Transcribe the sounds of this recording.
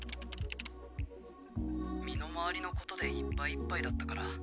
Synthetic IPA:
mʲino̞maβaɾʲino̞ko̞t̪o̞d̪e̞ipːaiːpːaid̪at̪ːakaɾa

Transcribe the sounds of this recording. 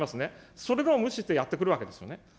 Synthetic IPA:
masɨne̞so̞ɾe̞d̪eoːmɯ̟ɕit̪ːe̞jat̪ːekɯ̟ɾɯβakee̞sɨjo̞̰ne

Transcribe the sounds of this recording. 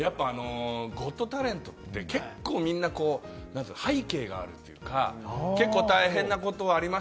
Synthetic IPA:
japːaːno̞ɡo̞t̪ːo̞t̪aɾẽ̞nt̪o̞t̪ːe̞ke̞kːo̞ːmʲĩnːako̞ːnãnt͡sɨhaike̞ːɡa̰ːɾɯ̟t̪ːojɯ̟ːka̰ke̞kːo̞ːt̪aiɦẽ̞nːako̞t̪o̞ːɾʲima

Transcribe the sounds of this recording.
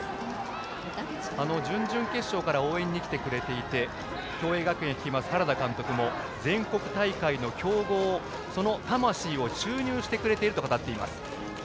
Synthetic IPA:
ano̞d͡ʑɨ̃ɲd͡ʑɨ̃ŋke̞ɕːo̞ːkaɾao̞ːẽ̞ɲ̟ːikʲi̥t̪e̞kɯ̟ɾe̞t̪e̞it̪e̞ | kʲo̞ːe̞ːɡakɯ̟ẽjakʲi̥kʲimasɨ̥haɾad̪akãnt̪o̞kɯ̟mo̞ | d͡zẽ̞ŋko̞kɯ̟̥t̪aikaino̞kʲo̞ːɡo̞ː | so̞no̞t̪amaɕiːo̞t͡ɕɨːɲ̟ɨːɕi̥t̪e̞kɯ̟ɾe̞t̪e̞iɾɯt̪o̞kat̪at̪ːe̞ima̰sɨ̥

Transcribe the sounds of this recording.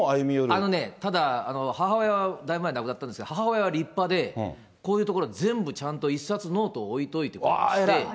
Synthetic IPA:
ajɯmʲijoɾano̞ne̞t̪ad̪aːno̞hahaojaβad̪aimɯmaenkɯ̟at̪ːaneskeohaɦahaojaβaɾʲipːad̪ẽ̞ | ko̞ːjɯ̟t̪o̞ko̞ɾo̞azẽ̞mbɯ̟t͡ɕãnt̪o̞isːat͡sɨno̞ːt̪o̞ːit̪o̞it̪e̞kt̪e

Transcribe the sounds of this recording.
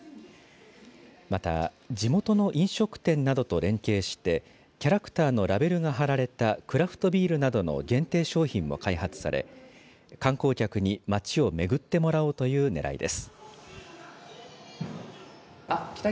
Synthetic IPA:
mat̪a̰ | d͡ʑimo̞t̪o̞no̞ʔĩɰ̃ɕo̞kɯ̟̥t̪ẽ̞nːad̪o̞t̪o̞ɾẽ̞ŋke̞ːɕi̥t̪e̞ | kʲaɾakɯ̟̥t̪aːno̞ɾabe̞ɾɯ̟ɡaɦaɾaɾe̞t̪akɯ̟ɾaɸɯ̟̥t̪o̞bʲiːɾɯ̟nad̪o̞no̞̰ɡẽ̞nt̪e̞ːɕo̞ːçĩmːo̞̰kaiɦat͡sɨ̥sa̰ɾe̞̰ | kãŋko̞ːkʲakɯ̟ɲ̟imat͡ɕio̞me̞ɡɯ̟t̪ːe̞mo̞ɾaot̪o̞jɯ̟ːne̞ɾa̰ḭd̪e̞̰sɨ̥ | k̪ʲ

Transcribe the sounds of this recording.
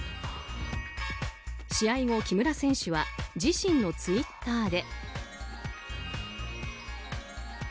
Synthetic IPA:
ɕiaiŋo̞kʲimɯ̟ɾasẽ̞ɰ̃ɕɨβad͡ʑiɕĩnːo̞t͡sɨit̪ːaːd̪e̞

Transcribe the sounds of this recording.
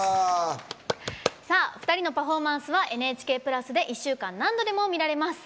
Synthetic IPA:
saːɸɯ̟̥t̪aɾʲino̞paɸo̞ːmãɰ̃sɨβaʔe̞nɯe̞ːt͡ɕi̥ke̞ːpɯ̟ɾasɨd̪e̞ʔiɕːɨːkãnːãnd̪o̞d̪e̞mo̞mʲiɾaɾe̞masɨ̥

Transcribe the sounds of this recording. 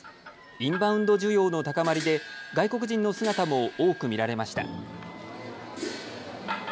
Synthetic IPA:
ĩmbãɯ̟̃nd̪o̞ʑɨːjo̞ːno̞t̪akamaɾʲid̪e̞ɡaiko̞k̬ɯ̟ʑĩnːo̞sɨɡat̪amo̞oːkɯ̟mʲiɾaɾe̞maɕi̥t̪a̰

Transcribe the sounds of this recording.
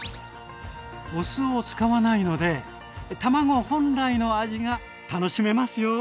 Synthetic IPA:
osɨot͡sɨ̥kaβanaino̞d̪e̞ | t̪amaɡo̞hõ̞nɾaino̞aʑiɡa | t̪ano̞ɕime̞masɨjo

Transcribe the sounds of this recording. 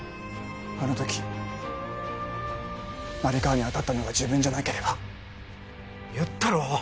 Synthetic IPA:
kono̞t̪o̞kʲi̥ | naɾʲikaaɲ̟iat̪at̪ːano̞βad͡ʑɨːbɯ̟̃ɲ̟d͡ʑanaike̞ɾe̞ba | jɯt̪ːaɾo

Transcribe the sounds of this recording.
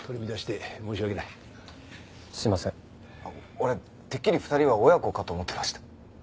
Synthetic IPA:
t̪ʰoɾʲimʲid̪aɕi̥t̪emoːɕiβaɡenai | ɕimasẽ̞ŋ | oɾe̞ | t̪e̞kʲːiɾʲiɸɯ̟̥t̪aɾʲiβaojako̞kat̪o̞ːmot̪ːe̞maɕi̥t̪ḁ

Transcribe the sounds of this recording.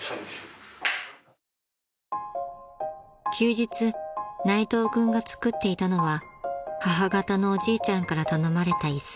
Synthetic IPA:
kʲʰɨːʑit͡sɨnait̪o̞ːɡɯ̟̃ŋɡat͡sɨ̥kɯ̟t̪ːe̞it̪ano̞βahaɦaɡat̪ano̞ːʑiːt͡ɕãŋkaɾat̪ano̞maɾe̞t̪aisɨ̥

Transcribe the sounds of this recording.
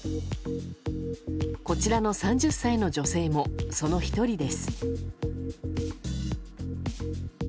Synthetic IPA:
ko̞t͡ɕiɾano̞sãɲ̟d͡ʑɨsːaino̞d͡ʑo̞se̞ːmo̞so̞no̞çi̥t̪o̞ɾʲid̪e̞sɨ̥

